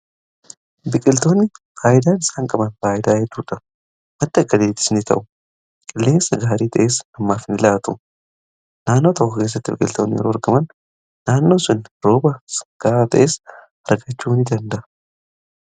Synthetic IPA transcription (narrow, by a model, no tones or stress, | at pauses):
bɪkʼɪlt̪o̞ːnːɪ | faːʔɪd̪aːnɪsaːŋkʼɐbɐnfaːʔɪd̪aːd͡ʒɛd̪uːᶑɐ | mɐt̪ːɪɐɡːɐd̪eːt̪ːɪ̥snɪt̪ʰɐ̰ʔʊ | kʼɪlːe̞ːnsɐɡaːɾiːt̪ʰɐʔeːsɐmːaːfɪnɪlaːt̪ʊ | naːnːo̞ːt̪ʰɐkːɐke̞ːs̬ːɐt̪ːɪbɪkʼɪ̰lt̪oːnːɪjɛ̰ɾoːɐɾɡɐmɐnː | aːnːo̞ːsʊnɾo̞ːbɐsɡ̥aːat̪ɐ̰ʔe̞ːs | ɐɾɡɐt͡ʃːuːnɪd̪ɐnd̪ɐʔɐ